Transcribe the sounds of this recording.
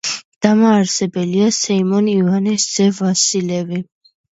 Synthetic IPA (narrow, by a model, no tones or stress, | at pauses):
d̪̥amaːɾsɛbɛliasɛimɔnivanɛsd̪z̥ɛvasilɛvi